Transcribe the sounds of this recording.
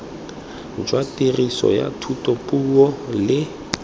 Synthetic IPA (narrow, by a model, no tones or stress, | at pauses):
d͡ʒwatʼirisɔ̰ja̰tʰutʼɔpʼuɔlɪ